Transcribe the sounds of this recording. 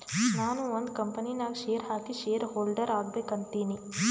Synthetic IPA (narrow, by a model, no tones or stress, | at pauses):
naːnuond̪kɐmpɐninaːɡʃejɐɾɦaːkiʃejɐɾɦoːlɖɐɾaːɡbeːkɐnt̪iːni